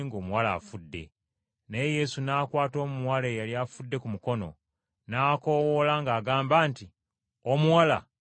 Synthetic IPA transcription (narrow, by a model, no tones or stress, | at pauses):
ŋɡo̞ːmuwala̰ːfudːe̞̰ | neje̞sunaːkwaːto̞ːmuwalejaliafudːe̞kumuko̞no̞̰ | naːko̞wolaŋɡaːɡaːmbaːnti | omuwala